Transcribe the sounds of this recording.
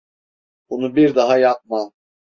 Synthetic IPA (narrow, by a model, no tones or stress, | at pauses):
bunubiɾd̪aɦajap̚ma